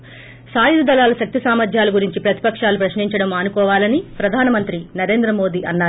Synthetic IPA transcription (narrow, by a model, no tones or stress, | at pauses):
saːjuɾud̪ɐlaːlɐʃɐk̚t̪isaːmɐd̪ʱjaːlɐɡuɾiɲt͡ʃipɾɐt̪ipɐkʂaːlupɾɐʃniɲt͡ʃɐɽɐmɐnukɔːʋaːlɐnipɾɐd̪ʱaːnɐmɐnt̪ɾinɐɾe̞ːnd̪ɾɐmo̞ːd̪iːʔɐnːaː